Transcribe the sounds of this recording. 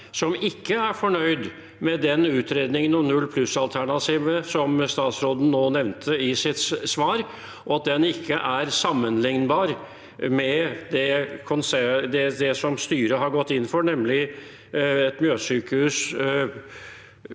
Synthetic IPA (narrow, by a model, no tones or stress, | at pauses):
sɔmɪkːəæɾfɔɳœʏd̪ | mɛd̪ɛnʉːt̪ʰɾeːd̪nɪŋənːʊnʉlːpʰlʉsɑlt̪ʰæɳɑt̪ʰiːʋəsɔmst̪ɑːt̪sɾoːd̪n̩noːnɛʋnt̪ʰəɪsɪt̪ssʋɑːɾ | ʔɔɑt̪̚d̪ɛnɪkʰːəʔæɾsɑmːənlɪŋnbɑːɾ | mɛd̪ɛkʰʊnsɛd̪ɛd̪ɛsɔmst̪yːɾəɦɑɾɡɔt̪ːɪnːfɔɾɳɛmːlɪ | ɛt̪mjøːsyːkəhʉːs